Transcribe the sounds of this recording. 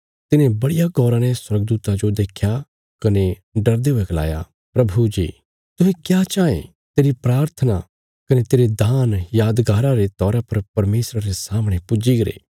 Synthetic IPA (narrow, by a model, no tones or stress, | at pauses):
t̪ɪnẽbɐɽɪjaɡɔːɾãnɛswɐɾɡd̪uːt̪ad͡ʒod̪eːkʰja | kɐneɖɐɾd̪eɦʊɛɡɐla̰ːja̰ | pɾɐbʱud͡ʒḭː | t̪ʊɦɛ̃kjaːt͡ʃaːḛ̃ | t̪eːɾipɾaːɾt̪ʰəna | kɐnet̪eːɾed̪ʱaːnjaːd̪ɡaːɾãɾet̪ɔːɾapɐɾpɐɾmeːsɾaɾesaːmɽ̃epʊd͡ʒiɡɐɾḛː